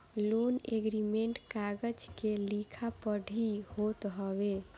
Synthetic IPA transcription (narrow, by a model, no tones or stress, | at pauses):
loneɡɾimeɳʈkaɡəd͡ʒkelikʰapəɖʱihot̪ɦəbe